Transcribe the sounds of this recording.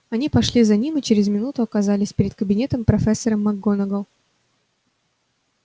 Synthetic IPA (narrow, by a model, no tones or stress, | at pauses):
ɐnʲipɐʂlʲizɐnʲimɨt͡ɕeɾʲɪzmʲɪnut̪ʊɐkɐzalʲɪsʲpʲɪɾʲɪd̪̚kəbʲɪnʲe̞t̪əmpɾɐfʲesːəɾəmːɐɡːonəɡəlˠ